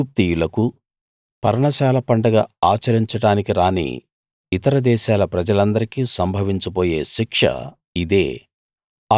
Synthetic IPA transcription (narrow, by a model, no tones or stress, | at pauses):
uːp̚t̪ijulɐku | pɐɾɐɳɐʃaːlɐpɐɳɖɐɡaːaːt͡ʃɐɾiɲt͡ʃɐɽaːnikiɾaːnḭ | it̪ɐɾɐd̪ɛːʃaːlɐpɾɐd͡ʒɐlɐnd̪ɐɾikisɐmbʱɐʋiɲt͡ʃup̬oːje̞ːʃikʂɐ̰ | id̪e̞ː